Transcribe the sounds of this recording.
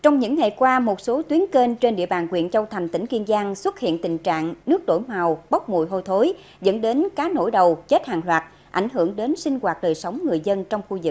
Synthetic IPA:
t͡ɕɔ˧wŋ͡mɲɨ̰˧˥ŋːa˨˩jkwaː˧mo˨˩t̚so˨˦t̪wi˨˦ənke˧nt͡ɕe˧nɗḭ˧əɓaː˨˩nkwḭ˧˨ənt͡ɕə˧wt̪ʰa˨˩jŋ̟t̪ï˧˩ŋ̟ki˧ənzaː˧ŋswə˦˥t̚hḭ˧˨ənt̪ï˨˩ŋ̟t͡ɕa̰ː˧˨ŋnɨ˦˥ək̚ɗo̰˧˩jmaː˨˩wɓə˦˥k͡p̚mṵ˧˨jɦo˧jt̪ʰo˨˦j | zə̰˧˥nɗe˨˦nkaː˨˦no̰˧˥˩jɗə˨˩wt͡ɕe˦˥t̚haː˨˩ŋlwaː˨˩t̚ | ʔa̰˧˩jŋ̟ɦɨ˧˩əŋɗe˨˦nsï˧ŋ̟ɣwaː˨˩t̚ɗəː˨˩jsə˨˦wŋ͡mŋɨ˨˩əjzə˧nt͡ɕɔ˧wŋ͡mxu˧zɨ˨˩k̚

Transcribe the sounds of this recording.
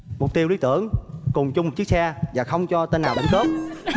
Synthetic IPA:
mʊ˨˩k͡p̚t̪i˧wli˧˦˥t̪ɨ̰˧˨əŋkʊ˨˩ŋ͡mt͡ɕʊ˧ŋ͡mmo˨˩t͡ɕɨ˦˥ək̚sɛ˧vaː˨˩xə˧wŋ͡mt͡ɕɔ˧t̪e˧nːaː˨˩wɓə̰˨˧˦ŋkəː˦˥p̚

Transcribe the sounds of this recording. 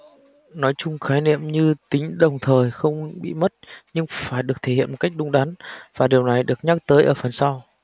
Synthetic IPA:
nɔ˨˦jt͡ɕʊ˧ŋ͡mxaː˨˦jnḭ˧˨əmɲɨ˧t̪ï˨˦ŋ̟ɗə˨˩wŋ͡mt̪ʰəː˨˩jxə˧wŋ͡mɓḭ˧˨mə˦˥t̚ɲɨ˧ŋfaː˧˩jɗɨ˨˩ək̚t̪ʰe˧˩ḭ˧ənmo˨˩t̚ka˦˥k̚ɗʊ˨˧˦ŋ͡mɗa˨˦nvaː˨˩ɗi˨˩əwna˨˩jɗɨ˨˩ək̚ɲaː˦˥k̚t̪əː˨˦jʔəː˧˩fə˨˩nsa˧w

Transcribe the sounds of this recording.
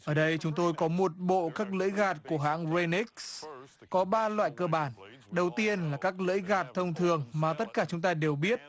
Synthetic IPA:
ʔəː˧˩ɗə˧jt͡ɕʊ˨˦ŋ͡mt̪o˧jkɔ˨˦mo˨˩t̚ɓo̰˧˨kaː˦˥k̚lɨ̰˧˥jɣaː˨˩t̚ku˧˩əɦa̰ː˧˥ŋze˧ni˦˥k̚skɔ˨˦ɓaː˧lwa̰ː˧˨jkəː˧ɓaː˧˩n | ɗə˨˩wt̪i˧ənlaː˨˩kaː˦˥k̚lɨ̰˧˦˥jɣaː˨˩t̚t̪ʰə˧wŋ͡mt̪ʰɨ˨˩əŋmaː˨˩t̪ə˦˥t̚kaː˧˩t͡ɕʊ˨˦ŋ͡mt̪aː˧ɗe˨˩wɓi˦˥ət̚

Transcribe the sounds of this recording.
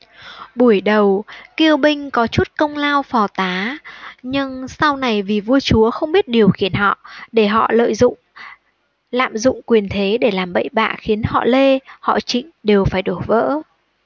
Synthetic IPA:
ɓu˧˩əjɗə˨˩wki˧əwɓï˧ŋ̟kɔ˨˦t͡ɕu˦˥t̚kə˧wŋ͡mlaː˧wfɔ˨˩t̪aː˨˦ɲɨ˧ŋsa˧wna˨˩jvi˨˩vu˧ət͡ɕu˨˦əxə˧wŋ͡mɓi˦˥ət̚ɗi˨˩əwxi˧˩ənɦɔ̰˧˨ɗe˧˩ɦɔ̰˧˨lə̰ː˧˨jzʊ̰˧˨ŋ͡m | la̰ː˧˨mzʊ̰˧˨ŋ͡mkwi˨˩ənt̪ʰe˨˦ɗe˧˩laː˨˩mɓə̰˧˨jɓa̰ː˧˨xi˨˦ənhɔ̰˧˨le˧hɔ̰˧˨t͡ɕḭ̈˧˨ŋ̟ɗe˨˩wfaː˧˩jɗo˧˩və̰ː˧˥

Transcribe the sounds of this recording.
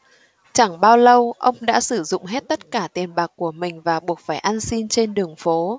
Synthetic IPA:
t͡ɕa˧˩ŋɓaː˧wlə˧wʔə˧wŋ͡mɗa̰ː˧˥sɨ˧˩zʊ̰˧˨ŋ͡mɦe˦˥t̚t̪ə˦˥t̚kaː˧˩t̪i˨˩ənɓaː˨˩k̚ku˧˩əmï˨˩ŋ̟vaː˨˩ɓu˨˩ək̚faː˧˩jʔa˧nsi˧nt͡ɕe˧nɗɨ˨˩əŋfo˨˦

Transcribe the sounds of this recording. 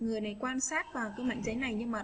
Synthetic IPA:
ŋɨ˨˩əjna˨˩jkwaː˧nsaː˦˥t̚vaː˨˩wkaː˨˦jma̰ː˧˨ŋ̟zə˨˦jna˨˩jɲɨ˧mə˨˩t

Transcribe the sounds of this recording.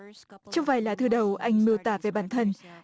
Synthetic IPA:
t͡ɕɔ˧wŋ͡mvaː˨˩jlaː˨˦t̪ʰɨ˧˩ɗə˨˩wʔa˧jŋ̟mɨ˧əwt̪aː˧˩ve˨˩ɓaː˧˩nt̪ʰə˧n

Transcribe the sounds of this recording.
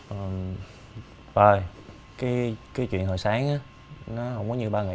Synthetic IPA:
ʔəː˨˩m | vəː˨˩j | kaː˨˦jkaː˨˦t͡ɕwḭ˧˨ənɦoː˨˩jsaː˨˦ŋʔaː˨˦ | nɔ˨˦hə˧wŋ͡mkɔ˨˦ɲɨ˧ɓaː˧ŋa˨˩˨

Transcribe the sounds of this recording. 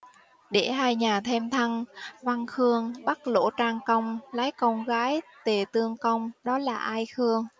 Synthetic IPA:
ɗe˧˩ɦaː˧jɲaː˨˩t̪ʰe˧mt̪ʰa˧ŋva˧ŋxɨ˧əŋɓa˦˥k̚lo̰˧˥t͡ɕaː˧ŋkə˧wŋ͡mla˨˦jkɔ˧wŋ͡mɣaː˨˦jt̪e˨˩t̪ɨ˧əŋkə˧wŋ͡mɗɔ˨˦laː˨˩ʔaː˧jxɨ˧əŋ

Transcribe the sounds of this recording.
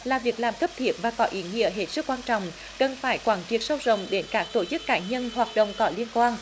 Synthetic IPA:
laː˨˩vi˨˩ək̚laː˨˩mxʰə˦˥p̚t̪ʰi˨˦˥ət̚vaː˨˩kɔ˨˦ʔi˨˦ŋḭ˧˥əɦe˨˩t̚sɨ˦˥k̚ːwaː˧nt͡ɕɔ̰˧˨wŋ͡m | kə˨˩nfaː˧˩jkwaː˧˩nt͡ɕi˦˥ət̚sə˧wzə̰˧˨wŋ͡mɗe˨˦nkaː˦˥k̚t̪o˧˩t͡ɕɨ˦˥kːaː˧˦ɲə˧nhwaː˨˩t̚ɗə̰˧˨wŋ͡mkɔ˨˦li˧ənkwaː˧n

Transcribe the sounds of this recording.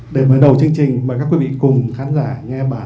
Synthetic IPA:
ɗe˧˩məː˨˦jɗə˨˩wt͡ɕɨ˧əŋt͡ɕï˨˩ŋ̟maː˨˩kaː˦˥kwi˨˦vḭ˧˨kʊ˨˩ŋ͡mxaː˨˦nzaː˧˩ŋɛ˧ɓaː˧˩

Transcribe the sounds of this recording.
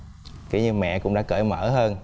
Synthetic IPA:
kḭ˨˧˦ɲɨ˧mɛ̰˧˨kʊ̰˧˥ŋ͡mɗa̰ː˧˥kəː˧˩˦jməː˧˩həː˧n

